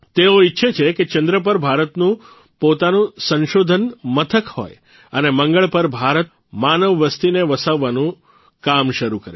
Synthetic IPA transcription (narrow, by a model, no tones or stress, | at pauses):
t̪eoitːʃʰet͡ʃʰeket͡ʃənd̪ɾəp̬əɾbʱaɾət̪nũ | pot̪anũsə̃nʃod̪ʱənmət̪ʰəkho̰j | əneməŋɡəɭpəɾbʱaɾət̪ | manəʋːəst̪ineʋəsaʋːanũ | kamʃəɾukəɾe